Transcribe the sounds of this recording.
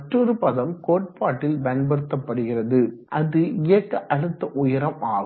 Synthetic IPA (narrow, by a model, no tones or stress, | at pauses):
ʈrɔɾɯpɐðɐmkoːʈ̚paːʈːɪlbɐnbɐɽɯt̪ːɐpːɐɽɯɣɪrɐðɯʔɐðɯɪjɐkːɐʔɐɽɯt̪ːɐʔʊjɐɾɐmaː